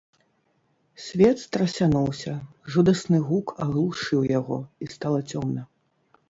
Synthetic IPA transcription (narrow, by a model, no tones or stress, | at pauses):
sʲvʲɛt̪st̪ɾɐsʲanuwsʲɐ | ʐud̪ɐsnɨɣukɐɣlˠuʂɨwjaɣɔ̰ist̪alˠɐt͡sʲɔmnɐ